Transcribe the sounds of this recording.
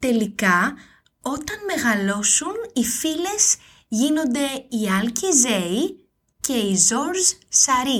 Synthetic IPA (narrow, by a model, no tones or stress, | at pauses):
t̪e̞likɐ | o̞t̪ɐnme̞ɣɐlo̞sunifile̞z̥ | ʝino̞nd̪e̞iɐlcize̞i | ce̞izo̞ɾzsɐɾi